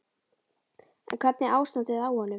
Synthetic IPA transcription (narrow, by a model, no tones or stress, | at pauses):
ɛ̰nkʰvɛt̪̚nɪʔaːwsnat̪ɪðawhɔnʏ